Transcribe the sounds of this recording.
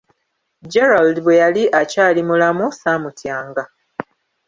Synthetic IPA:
d͡ʒeɾaldβwe̞jaliʔacaːlimulamusaːmutjaːŋɡa

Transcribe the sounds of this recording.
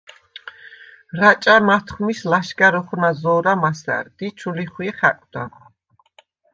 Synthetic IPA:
ɾat͡ʃʼamat̪ʰχmislaʃɡaɾɔχnazɔːɾamasæ̰ɾd̪it͡ʃʰuliχwiχa̰kʼd̪a

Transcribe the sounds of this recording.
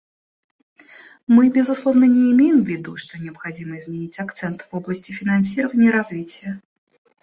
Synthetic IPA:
mɨbʲɪzʊslˠɔvnənʲɪːmʲejɪmvʲɪd̪uʂt̪ɔnʲɪəpxad͡zʲiməzmʲɛnʲit͡sʲakt̪sɛnt̪vɔblˠəsʲtʲɪfʲɪnansʲiɾəvənʲɪjəɾazvʲit͡sʲɪjə

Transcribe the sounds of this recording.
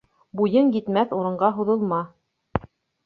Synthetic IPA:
bujɤŋjit̪mæθuɾɤ̆ɴɢɑɦuðɤ̆lˠmɑ

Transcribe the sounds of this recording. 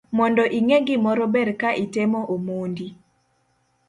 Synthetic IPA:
mɔndɔʔiŋeɡimɔɾɔbɛɾkaʔitemɔʔomondi

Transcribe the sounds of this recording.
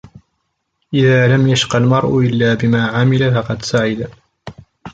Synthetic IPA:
ʔɪðaːlamjaʃqɑlmɑɾˤʔʊʔɪlːaːbɪmaːʕamɪlafɑqɑd̪saʕɪd̪a

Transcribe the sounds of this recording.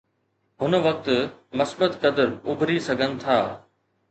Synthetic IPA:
ɦʊnʋɐk̚t̪mɐsbət̪kɐd̪əɾʊbʱɾisɐɡʱənɪ̆t̪ʰaː

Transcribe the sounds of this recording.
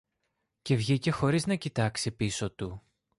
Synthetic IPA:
ce̞vʝice̞xo̞ɾiznɐcit̪ɐksepiso̞t̪u

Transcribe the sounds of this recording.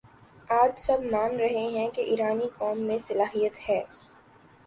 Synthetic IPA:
aːd͡ʒsɐbmaːnɾɐɦeɦɛ̃keʔiːɾaːnikɔːmːẽsɐlaːɦijət̪hɛː

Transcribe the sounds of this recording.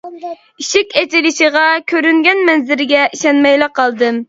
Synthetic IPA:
iʃɪkʲet̪ʰɪlɪʃiʁɑkʲʰøɾyŋɡʲɛnmɛnzɪɾɪɡʲɛʔiʃɛnmɛjlˠɪqːɑlˠd̪ɨm

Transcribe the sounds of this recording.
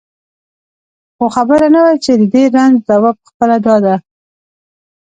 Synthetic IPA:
xoxabəɾanawajt͡ʃed̪əd̪eɾanzd̪awɑpə̥xpəlad̪ɑd̪a

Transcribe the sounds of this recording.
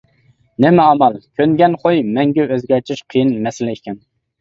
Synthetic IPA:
nɪmɛɑmɑlˠkʲʰønɡʲɛnχojmɛŋɡʲɛøzɡʲɛɾt̪ʰɪʃqʰijɨnmɛsɪlɪikʲɛn

